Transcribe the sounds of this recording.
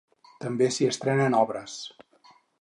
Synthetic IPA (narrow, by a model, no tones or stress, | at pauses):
t̪əmbesiəst̪ɾɛnənɔβɾəs